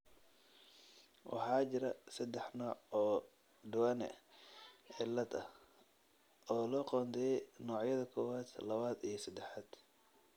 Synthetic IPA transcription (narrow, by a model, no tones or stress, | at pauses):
wʔɑ̰ħɑːt͡ʃɪɾɐsɐd̪ɛħnɔːʕɔː | ɖʊwɐnɛ̰ | ʕɪlːɐd̪ɐh | ɔːlɔːqɔːnt̪ʰɛnɔːʕjɐðɐkʰɔːwaːd̪lɐβaːd̪ijɞsɐd̪ɛħaːd̪̥